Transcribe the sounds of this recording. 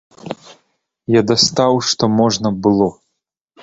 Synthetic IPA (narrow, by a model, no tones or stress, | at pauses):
jad̪ɐst̪awʂt̪ɔmɔʐnɐbɨlˠɔ